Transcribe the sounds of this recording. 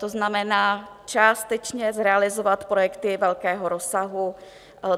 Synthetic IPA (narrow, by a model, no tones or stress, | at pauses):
t̪oznamɛnaːt͡ʃaːst̪ɛt͡ʃɲɛzɾɛalɪzovat̪pɾojɛkt̪ɪvɛlkɛːɦoɾo̞saɦu